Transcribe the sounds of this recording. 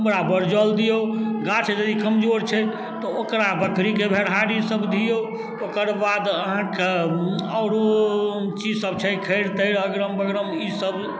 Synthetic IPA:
əməɾabəɾd͡ʒəld̪ijoɡat͡ʃʰed͡ʒəd̪ikəmd͡ʒoɾt͡ʃʰɛ | t̪ɔokɾabəkɾikebʱeɽɦaɾisəbd̪ʱijo | okəɾbad̪əɦãkeəʊɾot͡ʃid͡ʒsəb̚t͡ʃʰɛkʰeɪɾt̪əɪɾəɡɾəmbəɡɾəmisəb

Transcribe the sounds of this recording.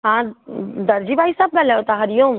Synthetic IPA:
ɦãːd̪ɐɾd͡ʒiːbʱaːisaːbbɛlɛot̪aɦɐɾijõːm

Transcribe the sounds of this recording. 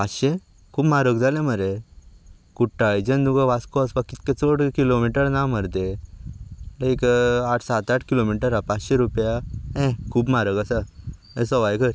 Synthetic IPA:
aɕe | kʰuːbmaɾəkd͡zʱalẽməɾe | kuʈːajd͡ʑənd̪uɡaʋaskɔaspakːit̪kẽt͡soɽkilomiʈəɾnaməɾt̪e | leikaʈʰsat̪aʈʰkilomiʈəɾapat͡sɕeɾupjaɛ̃kʰuːbmaɾəkasa | ẽsɔʋajkəɾ

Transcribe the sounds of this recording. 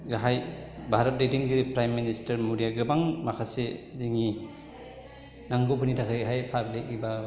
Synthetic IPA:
ɡaɦajbʱaɾɐt̚ɾetiŋɡɯɾipɾajmːinistɐɾmuɾijaɡɯbaŋmakʰaseziŋi | naŋɡobɯnitʰakʰajɦajpʰablekiba

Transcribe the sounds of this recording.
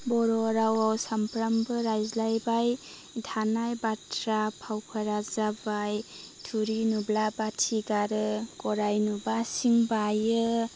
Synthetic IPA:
bɔɾɔɾawawsampɾambɯɾajzlajbaj | dʱanajbatʰɾapʰawpʰaɾazabaj | tʰuɾinublabatʰiɡaɾɯkɔɾajnubasiŋbajɯ

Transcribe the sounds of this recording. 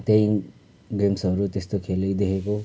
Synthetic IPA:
t̪eĩ | ɡemsɦʌɾut̪est̪okʰeləjd̪ekʰeko

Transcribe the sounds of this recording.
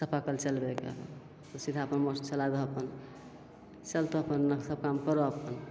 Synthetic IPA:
səpʰakəlt͡ʃəlbekḛ | sid̪ʱaəpənmost͡ʃəlad̪oɦəpən | t͡ʃəlt̪oɦəpənːsəb̚kamkəɾoəpən

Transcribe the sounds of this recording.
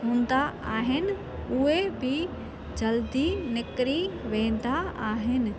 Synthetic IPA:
ɦũːn̆d̪aaːɦɪnɪ̆ | ʊɦebʱɪ | d͡ʑɐld̪inɪkɾiʋẽːn̆d̪aaːɦɪnɪ̆

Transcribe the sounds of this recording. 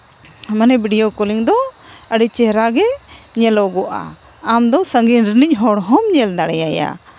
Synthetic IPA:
manɛbiɖijokɔliŋd̪ɔ | əɖit͡ʃɛɦɾaɡɛ | ɲɛlɔɡɔʔa̰ | amd̪ɔsəŋɡinɾinic̚ˀɦɔɽɦɔmɲɛld̪aɽɛjaja̰

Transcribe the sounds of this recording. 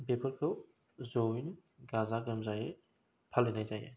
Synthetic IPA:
bepʰɯɾkʰɯw | zowin | ɡazaɡəmzaje | pʰalːenajzajḛ

